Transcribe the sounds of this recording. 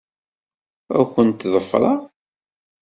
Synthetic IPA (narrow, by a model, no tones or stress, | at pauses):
æ̰kʷːənt̪ðˤəfɾˤɑ